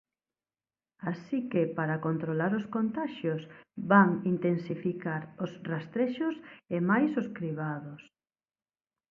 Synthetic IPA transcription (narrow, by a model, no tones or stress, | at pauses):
asikepaɾakont̪ɾolaɾʊskont̪aʃjʊsbaŋint̪ensifikaɾʊsrast̪ɾeʃʊsemajsʊskɾiβaðʊs